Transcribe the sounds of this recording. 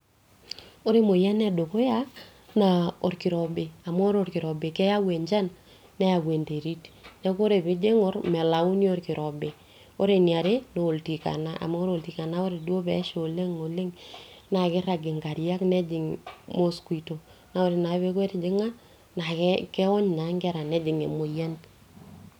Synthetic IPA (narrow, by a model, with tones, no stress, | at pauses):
o˦ɾe˦mo˨jɛ˦nɛ˦˨do˨ko˦ja˦ | na˨o˨ɾkɪ˨ɾɔ˨be˨a˨mː˦ɾo˨rkɪ˨ɾɔ˨be˨kɛ˦ja˦we˨ɲd͡ʒa˦nː | ɛ˦ja˨kwe˨nde˨ɾi˦tnɛ˦ko˦ɾe˨bɪ˦d͡ʒe˦ŋɔ˦ɾmɛ˨la˨u˦njo˦ɾkɪ˨ɾɔ˨be˨ | o˦ɾe˨nja˨ɾe˦no˨lti˨ka̰˨na˦ʔa̰˨mo˦o˦ɾo˨lti˨ka˨na˦o˦ɾe˨du˦o˦bɛ̰˨˦ʃo˨le˦ŋo˨le˦ŋna˨kɪ˦ɾa˨ɡɪ˨ŋɡa˨ɾja˦knɛ˦d͡ʒɪ˨ŋmo˦skʷi˨to˨ | na˨o˨ɾe˨na˨˦βe˦ke˦td͡ʒɪ˦ŋa˦ | na˨kkɛ˦wɔ˦ɲna˨˦ŋɡɛ˦ɾa˨nɛ˦d͡ʒɪ˨ŋḛ˨mo˨ja˦nt